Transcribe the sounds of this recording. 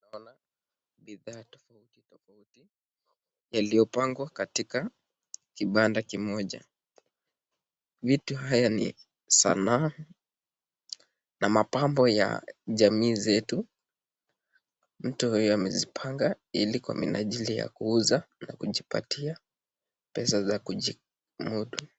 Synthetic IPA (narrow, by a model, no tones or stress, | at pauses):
naɔna | ɓiðaːtɔ̥fautitɔfauti | jalijɔpaŋɡwakatika | kiɓandakimɔʄa̰ | vituɦajanḭ | sa̰na | namapambɔja̰ʄamiːzɛtu | m̩tuhujɔamɛzipʰaŋɡa | ilikwa̰mḭna̰ʄilija̰kuuzana̰kuʄipa̰tʰia | pɛsazakuʄi | muɗu